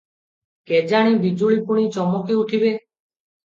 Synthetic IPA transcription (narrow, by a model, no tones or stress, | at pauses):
ked͡ʒaɽ̃ibid͡ʒuɭipuɽ̃it͡ʃɔmɔkeuʈʰibe